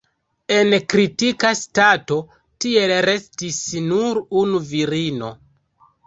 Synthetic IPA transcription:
e̞nkɾitikastato̞ | tie̞lɾe̞stisnuɾunuviɾino̞

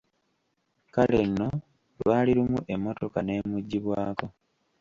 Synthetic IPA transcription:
kale̞nːo̞ | lwaːliɾumuʔe̞mːo̞to̞kane̞ːmuɟːiβwaːko̞

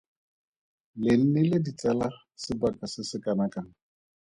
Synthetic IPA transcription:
lɪn̩nɛlɪdit͡sʼɛla | sɪbakʼasɪsɪkʼanakaŋ̩

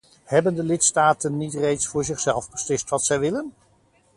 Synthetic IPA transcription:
ɦɛbəndəlɪtstaːtənːitrejtsfʊːɹzɪχsɛlˠvbəslɪstʋɑtsɛjʋɪlən

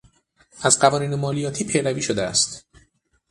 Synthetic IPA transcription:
ʔæzɢævɒːniːnemɒːlijɒːt̪ʰiːpʰejɾæviːʃo̞d̪eæ̰st̪

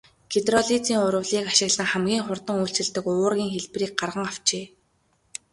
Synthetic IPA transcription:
ɡet̪rɔɮit͡siːŋʊɾə̆wɮiːkaʃɪ̆ɣɮə̆ŋχæmɡʲiːŋχʊrt̪ə̆ŋuːɬt͡sɘ̆ɮt̪ɘ̆kʊːrɣʲiːŋxeɮpriːk̚ɢarʁə̆ŋaw̥t͡ɕeː

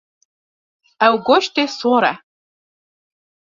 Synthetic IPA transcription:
awɡʷoʃt̪esoɾa̰

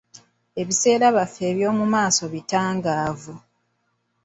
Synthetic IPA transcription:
e̞βise̞ːɾaβafe̞ːβjo̞ːmumaːso̞βitaːŋɡaːvu

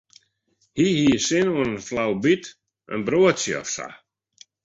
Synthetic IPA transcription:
hihiəsɪnoənənflawbit | ʔə̰nbɾoətsjəɔ̰fsa̰

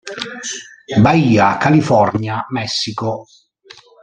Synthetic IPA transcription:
baiːakalifɔrnjamɛsːiko

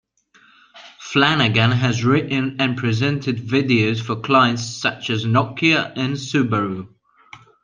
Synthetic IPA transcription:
flanəɡə̃nəzɹɪʔn̩ə̃npʰɹ̥ɪzɛ̃ntʰɪdvɪdiəʊz̥fəkʰl̥aɪə̃ntssʌt͡ʃəznɒkʰiəʔə̃nsʉbəɹu

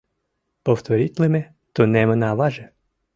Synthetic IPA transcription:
pɔwt̪ɔɾʲitʲlˠɪmɛ | t̪ɔnɛmenɑʋɑʒɛ

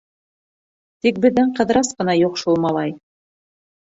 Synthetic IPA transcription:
t̪ik̚bɘ̆ðːɘɴqɤ̆ðɾɑsqɤ̆nɑjuqʃulˠmɑlˠɑj

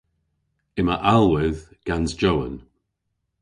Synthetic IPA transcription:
ɪməʔalˠwɪðɡ̥anzd͡ʒowə̰n

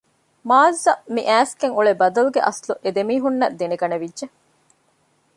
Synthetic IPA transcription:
maːzːɐmiʔæːskeŋuɭebɐd̪ɐluɡeʔɐsluʔed̪emiːɦunːɐd̪eneɡɐneʋidʒe

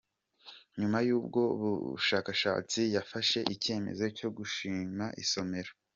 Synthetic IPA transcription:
ɲumajuːb̚ɡo̞ṵβṵʃaːkaʃa̰ːt͡sijafaʃe̞ʔice̞ːme̞̰zoco̞ɡuʃiːmaʔḭso̞me̞ɾo

